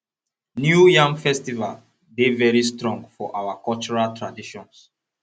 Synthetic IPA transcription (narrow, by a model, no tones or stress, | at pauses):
njujãmfɛstival | devɛɹistɹɔ̃ŋɡfɔʔawakɔlt͡ʃɔɹaltʰɹadiʃɔ̃ns